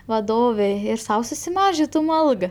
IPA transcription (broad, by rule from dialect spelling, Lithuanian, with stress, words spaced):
ʋɐˈdoːʋʲeː ɪr ˈsɐʊ sʊsʲɪˈmɑːʒʲɪtʊm ˈɐlˠɡɐ